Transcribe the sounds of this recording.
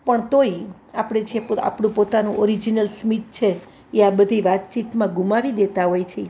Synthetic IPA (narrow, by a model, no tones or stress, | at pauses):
pəɳt̪oi | apɽ̃et͡ʃʰiea̰pɽũpot̪anũʔɔɾid͡ʒinəlsmit̪̚t͡ʃʰe | eabəd̪ʱiʋat̪̚t͡ʃit̪mãɡumaʋid̪et̪aɦojt͡ʃʰi